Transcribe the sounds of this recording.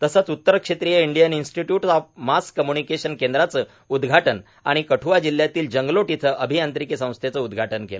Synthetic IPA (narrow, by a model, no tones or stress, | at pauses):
t̪əsat͡sut̪ːəɾkʂet̪ɾijəiɳɖijəninsʈiʈjuʈɔfmaskːəmjunikeɕənkend̪ɾat͡səː | ud̪ɡʱaʈən | a̰ɽ̃ikəʈʰuʋad͡ʑil̤ːjat̪iːld͡ʑəŋɡloʈit̪ʰəʔəbʱiant̪ɾikisə̃w̃st̪ʰjet͡səud̪ɡʱaʈənkelə